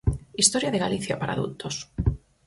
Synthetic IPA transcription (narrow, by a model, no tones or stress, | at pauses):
ist̪oɾjaðeɣa̰liθjapaɾa̰ðṵlt̪os